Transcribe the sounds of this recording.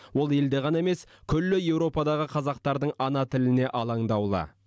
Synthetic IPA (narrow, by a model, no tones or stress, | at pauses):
wo̞lˠe̞ld̪e̞ʁɑnɑeme̞skʲʰʏlːɪje̞wɾo̞pɑd̪ɑʁəqʰɑzɑq̚t̪ɑɾd̪əɴɑnɑt̪ʰɪlɪne̞ʔɑlˠɑɴd̪ɑwlˠə̰